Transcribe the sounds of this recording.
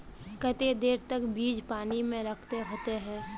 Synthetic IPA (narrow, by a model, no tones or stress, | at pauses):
kət̪ed̪eːɾt̪əkbiːd͡ʒpaːnimẽɾəkʰt̪eɦoːt̪eɦɛ̃ː